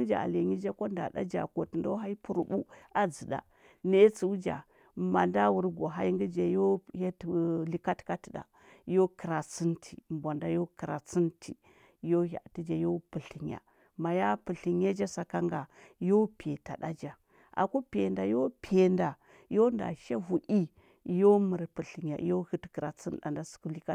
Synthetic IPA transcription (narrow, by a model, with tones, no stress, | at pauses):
i˦d͡ʒa̰˨a̰˨le˨ɲi˦d͡ʒa˦ko˦nda̰˨da̰˦d͡ʒa̰˨ko˨ti˨ndo˦ɦa˦i˦pu˨ɾu˦˨bu˦a˨d͡zi˨da̰˨ | ne˦t͡su˨u˦d͡ʒa̰˨ | ma˨nda˦wu˦ɾɡo˨ɦa˦ji˦ŋɡə˦d͡ʒa˨jo˦ha˦˨li˨ka˦tka˦tda̰˨ | jo˦ki˨ɾa˨t͡si˦ntʰi˨m˨bʷa˨nda˦jo˦kə˨ɾa̰˨t͡si˦ntʰi˨˦ | jo˦ha̰˨ti˦d͡ʒa˨jo˦pu˨ɬi˨ɲja̰˨ | ma˨ja˦pə˨ɬi˨ŋ˦ja˦d͡ʒa˦sa˨ka˦ŋɡa˨jo˦pe˨ta̰˨ɗa˦d͡ʒa˨ | ʔa̰˨ku˦pe˨nda˨jo˦pʰe˨nda˨ | jo˦nda̰˨ʃa˦vu˨ʔi˦˨˦ | jo˦mə˨ɾpə˨ɬi˨ŋ˨ja̰˨˦jo˦hə˦tkə˨ɾa˨t͡si˦n˦ɗa̰˨nda˦su̥˨ku˦li˦ka˦